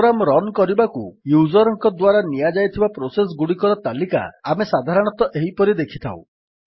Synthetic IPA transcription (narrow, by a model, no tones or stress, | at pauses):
ɾamɾɔnkɔɾibakujud͡ʒɔɾɔŋkɔd̪waɾanijad͡ʒajt̪ʰibapɾoses̬ɡuɽikɔɾɔt̪alika̰amesad̪ʱaɾɔɽ̃ɔt̪ɔʔeɦipɔɾid̪ekʰi̥t̪ʰa̰w̰̃